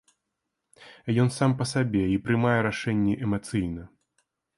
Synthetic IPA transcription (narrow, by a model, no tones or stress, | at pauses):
jɔnsampɐsabʲɛipɾɨmajɛɾaʂɛnʲːɛʔɛmat̪sɨjnɐ